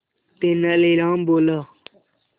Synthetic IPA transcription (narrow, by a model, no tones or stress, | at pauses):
t̪eːnəleːɾãːmboːlaː